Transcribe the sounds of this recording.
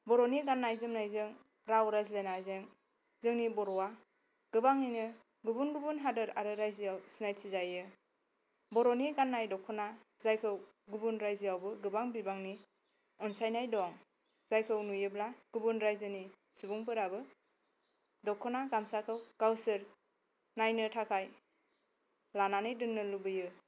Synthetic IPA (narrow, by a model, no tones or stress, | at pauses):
bɔɾɔniɡanːajzɯmnajzɯŋ | ɾawɾazilenazɯŋ | zɯŋnibɔɾɔwa | ɡ̥ɯbaŋinɯ | ɡubunɡubunɦadɯɾaɾɯɾajziawsinajtʰizajɯ | bɔɾɔniɡanːajdɔkʰːɔna | zajkʰɯw | ɡubunɾajziawbɯɡɯbaŋbibaŋni | ɔnsajnajdɔŋ | z̥ajkʰɯwnujɯblaɡ̥ubunɾajzɯni | subuŋpɯɾabɯ | dɔkʰːɔnaɡamsakʰɯwɡ̥awsɯɾ | najnɯtʰakʰaj | lananɯjdɯŋnɯlubɯjɯ